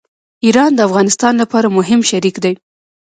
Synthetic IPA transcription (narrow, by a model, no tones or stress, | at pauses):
iɾɑnd̪əafɣɑnɪst̪ɑnlapɑɾamʊɦɪmʃaɾikd̪aj